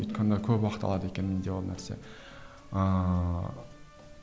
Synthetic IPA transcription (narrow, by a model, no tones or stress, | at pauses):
o̰t̪kʲʰand̪akʲʰɵpwɑqɨ̥t̪ʰɑ̰lˠɑd̪əe̞kʲʰenmend̪ewolˠnæɾsḛ